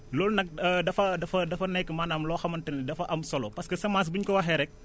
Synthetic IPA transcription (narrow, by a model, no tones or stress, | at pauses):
lɔːlnɐk̚dɐfɐdɐfɐdɐfɐnɛkːəmaːnaːmlɔːxɐmɐntɐnnidɐfɐʔɐmsɔlɔpɐskɐsɐmaːs̬buɲkɔwɐxɛɾɛk̚